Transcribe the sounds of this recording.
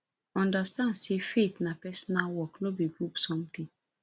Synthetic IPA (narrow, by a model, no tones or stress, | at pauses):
ɔ̃ndastãndsefet̪napɛsɔnalwɔknobiɡɹupsɔ̃mt̪ĩŋ